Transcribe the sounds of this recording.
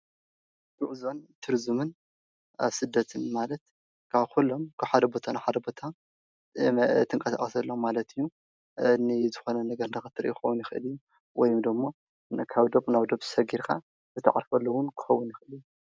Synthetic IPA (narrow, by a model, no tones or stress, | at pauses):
buʔzo̞nt̪ʰɨɾzumɨn | a̰βsɨd̪ːɐt̪ʰɨnmalɐt̪ | kʰaβkʰulːo̞mkʰaħad̪ɐbo̞t̪ʰanaħad̪ɐbo̞t̪ʰa | t̪ʰɨŋkʼɐsa̰xʼɐsɐlːomːalɐt̪ɨjːu | nɨzɨxo̞nɐnɐɡɐɾɨndɐxɨt̪ʰɨɾʔukʰxɐwunjɪxʔɨ̰lijːu | wɔjmd̪ɨmːo | kʰaβd̪oβnaβd̪oβɨsɐɡiɾkʰa̰ | zɨt̪ʰɐ̰ʕa̰ɾfɐlːɐwʊnkʰɨ̥xɐwːunjɪxʔɨlijːu